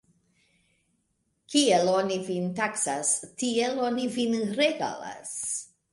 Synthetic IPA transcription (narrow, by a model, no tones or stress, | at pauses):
kʰielonivintaksastielonivinɾeɡa̰la̰s